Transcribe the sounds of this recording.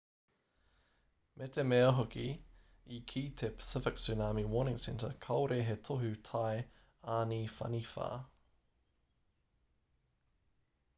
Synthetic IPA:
mʔet̪ʰemeoɦoki | ikʰiːtʰepʰə̥sɪfɪksynaːmiwɔːnɪ̃ŋsɛntəkʰɐwɾeɦetʰoɦʉtʰaj | aːnifɐ̰nifa̰ː

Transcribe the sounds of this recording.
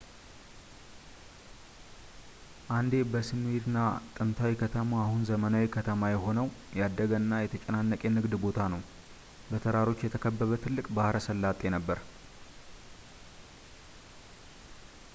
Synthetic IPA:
ʔand̪e̞bəsɨmet̪ɨnːat̪ʼɨnt̪ʰawikʰət̪ʰəmaahunzəmənawikʰət̪ʰəmajɛɦo̞nəwjad̪ːəɡənːajɛt̪ʰət͡ʃʼɛnanːəkʼenɨɡd̪bo̞t̪ʰanəw | bət̪ʰəɾaɾo̞t͡ʃːjɛt̪ʰəkʰəbːəβət̪ʰɨlːɨkʼbahɾʔəsəlːat̪ʼe̞nəbːəɾ

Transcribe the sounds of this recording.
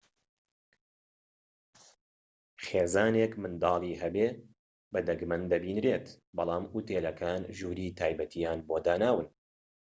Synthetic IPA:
χeːzaːneːkmɨnd̪ɑːlˠiːɦɐbeː | bɐd̪ɐɡmɐnd̪ɐbiːnɾeːt̪ | bɑlˠɑːmʔut̪eːlɐkʰaːnʒuːɾiːt̪ʰaːjbɐt̪ʰijaːnboːd̪aːnaːwɨn

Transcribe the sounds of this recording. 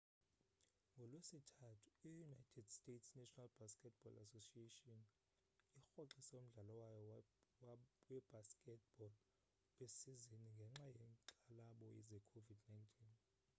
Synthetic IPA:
ŋɡʱɔlwesitʰatʰu̥ijunajtʰɛdstʼetʰsnɛʃʼɔnalb̥askʼɛt̚ʰb̥ɔlasosietʼiɔn | ixoǁisɛom̩ɮalawajɔ | wɛb̥askʼɛt̚ʰb̥ɔl | ɓesiziniŋɡʱɛŋ͡ǁajɛŋǃalaɓɔjɛ̰zɛkʰovidnajntʰʼiːn

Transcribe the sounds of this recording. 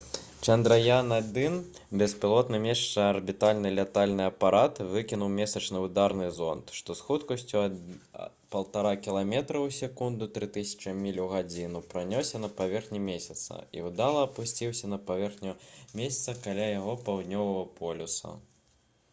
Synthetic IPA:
t͡ʂɐnd̪ɾɐjanad̪ɨn | bʲɛspʲilˠɔt̪nɨmʲɛʂt͡ʂɐɐrbʲit̪alʲnɨlʲɛt̪alʲnɨɐpaɾat̪vɨkʲinuwmʲɛsɐt͡ʂnɨwd̪aɾnɨzɔnt̪ʂt̪ɔsxut̪kɐsʲt͡sʲu | pɐlˠt̪aɾakʲilˠamʲɛt̪ɾɐwsʲɛkund̪ut̪ɾɨt̪ɨsʲɐ̥t͡ʂɐmʲilʲuɣad͡zʲinupɾanʲɔsʲɐnɐpavʲɛrxnʲimʲesʲɐt̪sɐ̰ḭud̪alˠɐɐpusʲt͡sʲiwsʲɐnɐpavʲɛrxnʲumʲesʲɐ̥t̪sɐkalʲajaɣɔpawd̪nʲɔvɐɣɐpʰɔlʲusɐ̰

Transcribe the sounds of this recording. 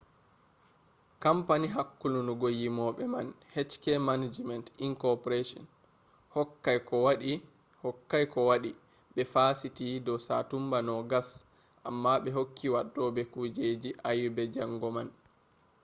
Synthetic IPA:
kampaniɦakːulunuɡojimɔɓɛman | hɛt͡ʃkɛmanad͡ʒmɛntiŋkɔpɔɾeʃɔ̰n | hɔkːajkɔwaɗi | hɔkːajkɔwaɗi | ɓɛfasitidɔsatumbanɔɡas | ʔa̰mːaɓɛɦokʰːiwaɗːɔbɛkud͡ʒed͡ʒiʔajbɛd͡ʒaŋɡɔman

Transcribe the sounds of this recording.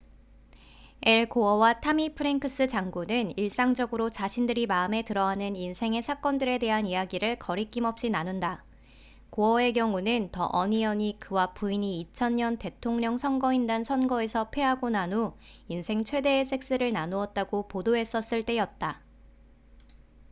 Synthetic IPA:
e̞ɭkoʌwatʰamipʰɯɾenkʰɯs͈ɯt͡ɕaŋɡunɯniɭs͈aŋd͡ʑʌɡɯɾot͡ɕaɕʰindɯɾimaɯme̞tɯɾʌɦanɯninsʰe̞ŋe̞sʰak͈ʌndɯɾe̞de̞ɦanijaɡiɾɯɭkʌɾik͈imʌp̚ɕ͈inanunda | koʌe̞k̬jʌŋunɯntʌʔʌɲiʌɲikɯwapuiɲiːt͡ɕʰʌnɲʌnte̞tʰoŋɲʌŋsʰʌŋɡʌindansʰʌnɡʌe̞sʰʌpʰe̞ɦaɡonano | insʰe̞ŋt͡ɕʰwe̞de̞ːsʰe̞k̚s͈ɯɾɯɭnanoʌt̚t͈aɡopodoɦe̞s͈ʌs͈ɯɭt͈e̞jʌt̚t͈a

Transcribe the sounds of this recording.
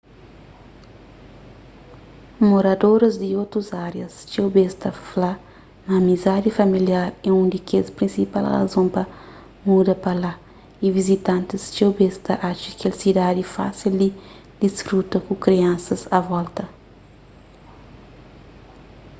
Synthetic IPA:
moɾɐd̪oɾɐzd̪iot̪ɾuzaɾjɐst͡ʃewbest̪ɐfla | nɐːmizad̪ifɐmiljaɾɛũnd̪ikespɾĩnsipa̰lɣɐ̰zõmpɐ | mud̪ɐpɐla | ivizit̪ɐ̃nt̪ist͡ʃewbest̪ɐʔaʃɐkelsid̪ad̪ifa̰sild̪i | d̪isfɾut̪ɐkukɾiɐ̃nsɐzɐvɔlt̪ɐ

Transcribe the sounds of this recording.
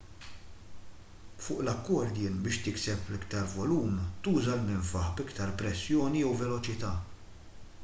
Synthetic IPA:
fʊːʔlɐkːɔɾd̪jɪːnbɪːʃt̪ɪksɛplɪkt̪ɐɾvɔluːmt̪uːzɐlmɪɱfɐħbɪkt̪ɐɾpɾɛsːjɔːnijɛwvɛlɔt͡ʃɪt̪ɐː

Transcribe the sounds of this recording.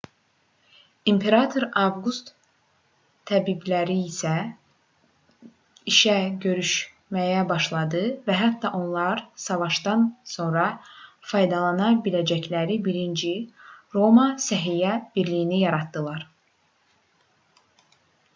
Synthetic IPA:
impʰe̞ɾɑt̪ʰo̞ɾɑvɡust̪ | æbiblæɾiːsæ | iʃæɟø̞ɾyʃ | mæjæbɑʃlˠɑd̪ɯvæɦæt̪ːɑʔo̞nlˠɑɾsɑvɑʃd̪ɑnso̞nɾɑfʰɑjd̪ɑlˠɑnɑbilæd͡ʒæclæɾibiɾind͡ʒiɾo̞mɑsæɦijæb̥iɾlijinijɑɾɑt̪d̪ɯlˠɑɾ

